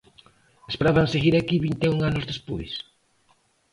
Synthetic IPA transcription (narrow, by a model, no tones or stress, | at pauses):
espeɾaβaŋseɣiɾakiβint̪euŋanʊzðespojs